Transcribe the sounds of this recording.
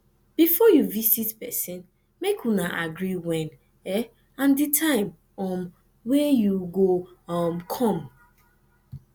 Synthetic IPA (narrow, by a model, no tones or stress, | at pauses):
b̥ifɔjuvisitpɛsĩn | mekʰunaʔaɡɹiwɛ̃n | ɛ | ãnditʰãɪ̃m | ɔm | wɛjuɡoɔmkʰɔ̃m